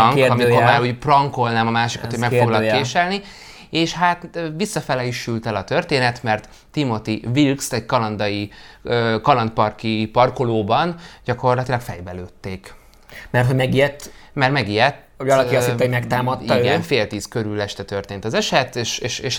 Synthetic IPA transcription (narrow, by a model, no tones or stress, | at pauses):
ŋkɒmiko̞rmaːɾuɟprɒŋko̞lnaːmɒmaːʃikɒt̪homɛkfoɡlɒkeːʃɛlni | eːʃhat̪ːvisːɒfɛlɛjiʃylt̪ɛlɒt̪ørt̪eːnɛt̪mɛrt̪ːimo̞t̪ivilkst̪ɛɟkɒlɒnd̪ɒiøːkɒlɒnt̪̚pɒrkipɒrkoloːbɒnɟ̥ɒko̞rlɒt̪ilɒkfɛ̰jbɛløːt̪ːeːk | mɛrt̪ɦoɟmɛɡijɛt̪ːmɛrmɛɡijɛt̪ː | vɒlɒisːɛoɟmɛkt̪aːmɒt̪iːiɡɛnfeːlt̪iːskø̞ɾylɛʃt̪ɛt̪ø̞rt̪eːnt̪ɒzɛʃɛt̪ːeːʃeːʃeːʃ